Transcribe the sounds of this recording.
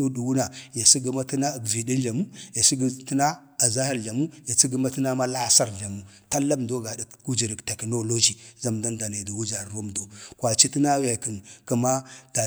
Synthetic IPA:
u˦du˨wu˦na˨ja˨si˦ɡə˦ma˦ti˦na˦˨ɡvi˨di˦nd͡ʒa˨mu˦ja˨si˦ɡə˦ti˦na˦ | a˨za˦ha˨ɾɮa˨mu˦ja˨si˦ɡə˦ma˦tə˦na˦ma˦la˦sa˦ɾɮa˨mu˦ta˦lːa˦mdo˦ɡa˨di˨ku˦d͡ʒi˨ɾi˨kte˨kno˦lo˦d͡ʒi˨za˦mda˦nda˨ne˨di˨wu˦d͡ʒa˨o˦mdo˨kwa˨t͡ʃi˦ti˦na˦wa˨kə˨nkə˨ma˦d̥a˨

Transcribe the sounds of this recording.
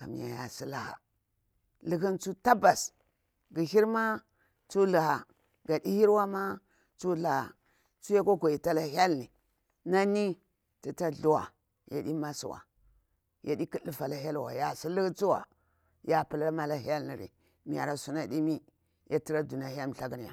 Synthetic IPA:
ka̰˨mḭ˨ja̰˨ja˨si˦la˨ha̰˨ | li˦ki˦nt͡su˦ta˦ba˨s | ɡi˨hi˦ɾma˦ | t͡su˦la˨ha˨ | ɡa˨di˦hi˦ɾwa˦ma˦ | t͡su˦la˨ha̰˨ | t͡su˦ja˦ko˦ko˨i˨ta˦la˨ɦʲa˦lni˨ | na˦ni˦ | ti˨ta˦ɮu˨wa̰˨ | ja̰˨ɗi˦ma˦sṵ˨wa̰˨ | ja˨di˦ki˦lːi˦fa˨la˨ɦa˦lwa̰˨ja˨si˦li˦kt͡su˦wa̰˨ | ja˦pu˨la˦ma˦la˦ha˦lni˨ɾḭ˨ | mi˨a̰˨ɾa˨su˦na˨ɗi˦mi˦ | ja˦ti˦ɾa˦du˨na˨ja˦lm˨ɬa˦ɡi˦n˨a̰˨

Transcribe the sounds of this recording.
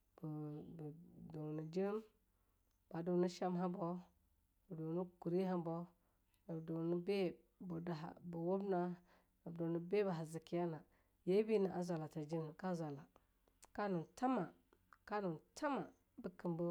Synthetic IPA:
b | do˨ni˨d͡ʒi˦m | b̥a˨do˨ni˦ʃa˦mɦa˦bo˦ | ə˨do˨nu˦ku˨ɾi˦ɦa˦bo˦ | a˨do˨ni˦be˦ | bo˨da˨a̰˨bu˨wo˦bna˦ | a˨bdo˨ni˨be˦ba˨ɦa˨zi˨ki˦ja˦na˨ | je˦bi˦ni˨ʔa˨za˨la˨ta˨d͡ʒi˦n˨ka˦za˨la˨ | ka˦nu˨ta˦ma˨ | ka˦nu˨tʰa˦ma˨ | bə˦kə˨mbo˦

